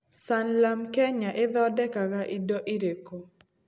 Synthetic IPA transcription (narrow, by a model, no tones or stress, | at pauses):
sanlamkɛɲaʔɪðɔdɛkakaʔɪdɔʔɪɾeko